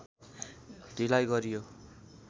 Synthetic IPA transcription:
dilajɡʌɾijo

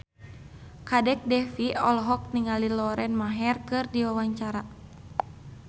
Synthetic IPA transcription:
kadɛk̚dɛfiɔlɦɔk̚niŋalilɔɾɛnmaɦɛrkɨrdiwawaɲt͡ʃaɾa

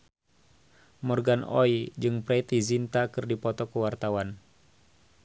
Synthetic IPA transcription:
mɔrɡanɔ̰id͡ʒɨŋpɾɛt̪izint̪akɨrdipɔt̪ɔkuwart̪awan

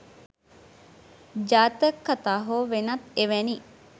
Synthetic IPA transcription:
d͡ʒaːt̪əkːat̪aːɦoːʋenɐt̪eʋeni

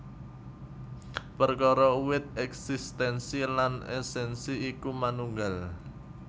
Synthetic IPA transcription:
pərkɔɾɔuwɪt̪̚ɛksist̪ɛnsilanɛ̰sɛnsiikumanuŋɡal

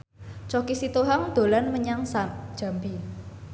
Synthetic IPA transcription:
t͡ʃɔkisit̪oɦaŋd̪̥o̤lanməɲaŋsand̥ʒ̥a̤mbi

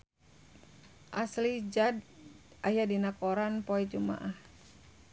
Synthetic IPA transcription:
ʔaslid͡ʒad | ʔajadinakoɾanpoɛd͡ʒuma̰ʔah

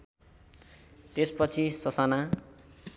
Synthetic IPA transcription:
t̪espʌt͡sʰisʌsana

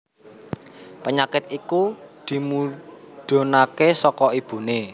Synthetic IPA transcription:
pəɲakɪt̪̚ikud̪̥i̤mu | ɖ̪̥o̤nakesɔkɔib̥ṳne

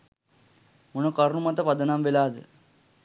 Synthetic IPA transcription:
munɐkɐɾnumɐt̪ːɐpɐd̪ɐnaːmʋelaːðɨ̰

